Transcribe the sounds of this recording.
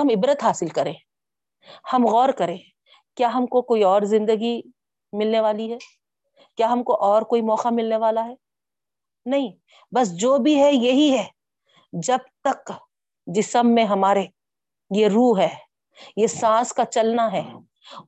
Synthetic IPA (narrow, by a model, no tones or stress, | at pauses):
ɐmɪbɾət̪ɦaːsɪlkɐɾẽː | hɐmɣɔːɾkɐɾẽː | kjaːɦɐmkokoːiɔːɾzɪ̃nd̪əɡi | mɪlneʋaːliɦɛː | kjaːɦɐmkoʔɔːɾkoːimɔːqamɪlneʋaːlaɦɛː | nɐɦĩ | bɐs̬d͡ʒoːbʱiɦɛjɐɦiɦɛː | d͡ʒɐb̚t̪ɐk | d͡ʒɪsəmːẽɦɐmaːɾe | jeɾuːɦɛː | jesãːskat͡ʃɐlnaɦɛː